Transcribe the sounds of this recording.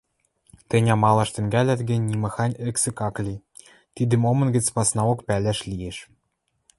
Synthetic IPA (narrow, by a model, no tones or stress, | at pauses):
t̪ɘ̆nʲɑmɑlˠɑʃt̪ɘ̆ŋɡælʲæt̪ɡɘ̆nʲːimɑxɑnʲɘ̆ksɘ̆kɑklʲi | t̪id̪ɘ̆momɤ̆nɡɘ̆t͡spɑsnɑokpælʲæʃlijeʃ